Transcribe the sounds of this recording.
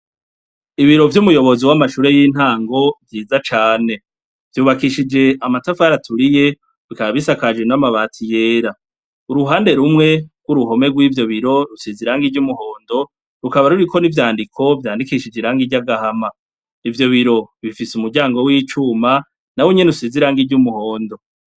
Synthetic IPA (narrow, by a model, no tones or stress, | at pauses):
iβiɾo̞vjumujo̞βo̞ziwamaʃuːɾe̞jiːn̥haːŋɡo̞vjiːzat͡ʃaːne̞ | v̥juːβakiʃid͡ʒe̞amatafaɾatʰuɾije̞ | βikaβaβisakad͡ʒwenamaβaːtʰije̞ːɾa | uɾuɦaːnde̞ɾumŋe̞ɡ̥wuɾuɦo̞me̞ɡwiːvjo̞βiɾo̞ɾusiziɾaŋɡiɾɟumuho̞ːndo̞ | ɾukaβaɾuɾikʰo̞nivjaːndikʰo̞vjaːndikiʃid͡ʒiɾaːŋɡiɟaɡahama | ivjo̞βiɾo̞βifisumuɾɟaːŋɡo̞wiːt͡ʃuma | naweɲenɾusiziɾaŋɡiɟumuho̞ːndo̞